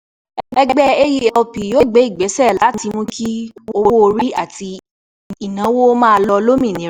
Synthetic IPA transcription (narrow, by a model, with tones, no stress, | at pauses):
ɛ˧ɛ˧ɡ͡bɛ˦e˦ji˧ɔ˧pi˨jo˦˨ɡ͡be˨˦i˦˨ɡ͡bɛ˨˦sɛ˦˨la˨˦ti˧mũ˦ki˦o˧o˦o˧ɾi˦a˦˨ti˧ | i˨nã˨˦wo˦mãː˦˧lɔ˧lo˦mĩ˦˨nĩ˨˦